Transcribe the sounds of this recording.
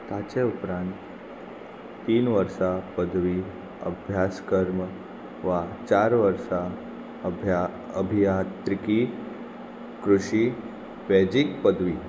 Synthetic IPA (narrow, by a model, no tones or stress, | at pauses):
t̪at͡ɕeupɾãnt̪ | t̪ːiːnʋəɾsapəd̪ʱʋi | ə̰bʱjaskəɾm | ʋat͡ɕaɾʋəɾsa | ə | əbʱijat̪ɾiki | kɾuʂi | ʋɛd͡ʑikpəd̪ʱʋiː